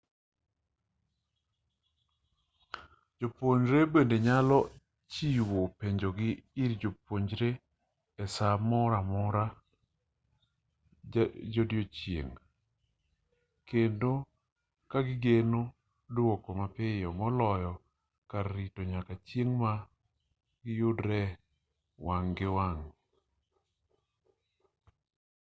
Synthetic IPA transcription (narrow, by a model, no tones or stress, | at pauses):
d͡ʒopoɲd͡ʒɾebendeɲalɔ | t͡ʃiwopeɲd͡ʒoɡɪiɾd͡ʒopoɲd͡ʒɾe | ɛsamɔɾamɔɾa | d͡ʒodjot͡ʃjḛŋ | kendo | kaɡɪɡeno | dwokɔmapɪjɔmɔlɔjɔ | kaɾːitoɲakat͡ʃjeŋma | ɡɪjʊdɾɛ | waŋɡɪwaŋ